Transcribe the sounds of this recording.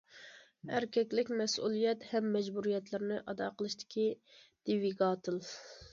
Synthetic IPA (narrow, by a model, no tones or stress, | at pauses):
æɾkʲʰɛkʲlɪkʲmɛsṵlˠijɛt̪hɛmːɛd͡ʒbuɾijɛt̪lɪɾɪnɪʔɑd̪ɑːqəlˠɨʃt̪ʰɪ̥kʲid̪̥ɪviɡɑːt̪ʰɨlˠ